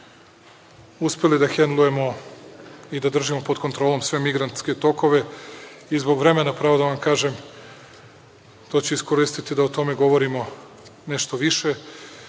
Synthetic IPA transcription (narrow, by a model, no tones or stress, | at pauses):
uspe̞lid̪axend̪lˠuje̞mo̞ | id̪ad̪r̩ʒimo̞pod̪ko̞nt̪ɾoːlˠo̞msʋe̞miɡɾant̪ske̞t̪o̞ko̞ʋe̞izbo̞ɡʋɾe̞me̞napɾaːʋod̪aʋamkaːʒem | t̪o̞ːt͡ɕeisko̞ɾist̪it̪id̪aot̪o̞me̞ɡo̞ʋo̞ɾimo̞ | ne̞ʃt̪o̞ʋiʃe̞